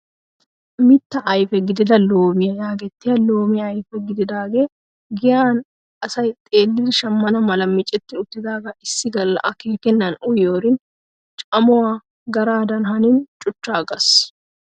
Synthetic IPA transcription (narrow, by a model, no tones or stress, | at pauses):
mɪt̪ːɐʔjfɛɡɪd̪ɪd̪ɐlːoːmɪjɐjaːɡɛt̪ːɪɐlːoːmɪɐjfɛɡɪd̪ɪd̪aːɡe | ɡɪjaːn | ʔɐsɐjt̪ʼeːlːɪrʃɐmːɐnɐmɐlɐmːɪt͡ʃʼːɛt̪ːɪʊt̪ːɪd̪aːɡɐʔɪsːɪɡɐlːɐ̰ʔɐkeːkɛnːɐnʊjoːɾɪn | t͡ʃʼɐmʊwaː | ɡɐɾaːd̪ɐnɦɐnɪnt͡ʃʼʊt͡ʃːaːɡɐs